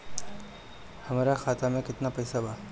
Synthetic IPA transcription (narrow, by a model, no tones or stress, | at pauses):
hɐmaːɾakʰaːt̪ʰamẽkɪt̪napɐjsabʱaː